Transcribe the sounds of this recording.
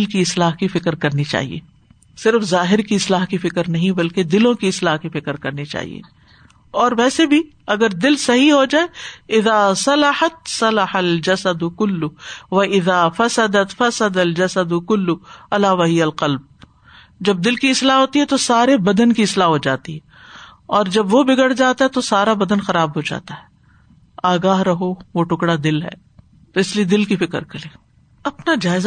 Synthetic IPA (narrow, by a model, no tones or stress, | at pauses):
ɪlkiɪslaːɦkifɪkɾkɐɾnit͡ʃa̰ːɦḭḛː | sɪɾfzaːɦɪɾkiɪslaːɦkifɪkɾnɐɦĩbɐlked̪ɪlõkiɪslaːɦkifɪkɾkɐɾnit͡ʃa̰ːɦḭḛː | ɔːɾʋɛːsebʱi | ɐɡəɾd̪ɪlsɐɦiɦod͡ʒaːeɪðaːsɐlɐħɐt̪sɐlɐħɐld͡ʒɐsɐd̪ʊkʊlːʊʋɐʔɪðaːfɐsɐd̪ɐt̪fɐsɐd̪ɐld͡ʒɐsɐd̪ʊkʊlːʊɐlaːʋaɦɪjɐlqɐlb̚ | d͡ʒɐb̚d̪ɪlkiɪslaɦoːt̪iɦɛt̪osaːɾebɐd̪ənkiɪslaːɦod͡ʒaːt̪iɦɛː | ɔːɾd͡ʒɐbʋobɪɡəɽd͡ʒaːt̪aɦɛt̪osaːɾabɐd̪ənxɐɾaːbɦod͡ʒa̰ːt̪aɦɛː | aːɡaːɦɾɐɦoʋoʈʊkɽad̪ɪlɦɛ̰ː | t̪oɪslied̪ɪlkifɪkə̰ɾkɐleː | ɐpnad͡ʒaːɪz